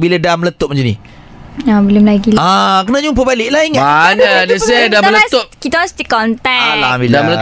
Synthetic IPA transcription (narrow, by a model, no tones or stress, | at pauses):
bilədamlət̪op̚məɲd͡ʒani | abəlʊmlaɡilakənad͡ʒupəbalɪʔlaiŋaanadəsedat̪lət̪op̚kit̪aast̪ikɔnt̪ɛalaiamlə